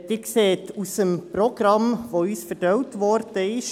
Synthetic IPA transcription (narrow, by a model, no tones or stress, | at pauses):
d̪ɪkseːtusəmprɔɡ̥rɑmʋoyːsfəɾdœwtʋɔɾd̥əɪʃ